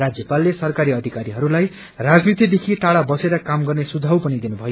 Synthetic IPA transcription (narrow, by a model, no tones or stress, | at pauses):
rad͡zjʌpalːesʌrkaɾiʌd̪ʱikaɾiɦʌɾulaj | rad͡znit̪id̪ekʰiʈaɽabʌseɾʌkamɡʌrnesud͡zʱawpʌnid̪inubʱʌjo